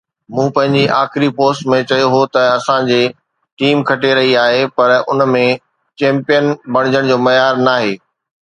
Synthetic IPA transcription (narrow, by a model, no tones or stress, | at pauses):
mũːpɐ̃ɦɪ̃ɲd͡ʑiʔaːxɪɾipoːsʈmẽt͡ɕɐjoɦot̪ɐɐsãd͡ʑeː | ʈiːmkʰɐʈeɾɐɦiaːɦepɐɾʊ̰nmẽ | t͡ɕẽːmpijənbɐɽ̃ɪd͡ʑəɽ̃d͡ʑoːmɐjaːɾnaːɦeː